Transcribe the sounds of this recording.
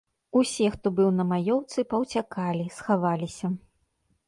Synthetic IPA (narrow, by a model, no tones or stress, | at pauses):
usʲɛxt̪ɔbɨwnɐmajɔwt̪sɨpɐwt͡sʲakalʲisxavalʲisʲɐ